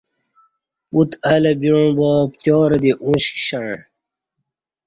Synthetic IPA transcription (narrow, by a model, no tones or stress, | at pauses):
put̪ɐlɐbiɻũbɔːpt̪joːɾɐd̪iʔũɕkɕɐɳ